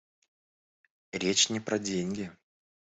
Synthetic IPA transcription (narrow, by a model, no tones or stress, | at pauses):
ɾʲet͡ɕnʲɪpɾɐdʲenʲɡʲɪ